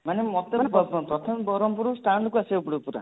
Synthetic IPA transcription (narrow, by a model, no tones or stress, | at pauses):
manemɔt̪eɾepɔpɔpɾɔt̪ʰɔmbɔɾɔmpuɾusʈaɳɖkuasibapuɽpuɾa̰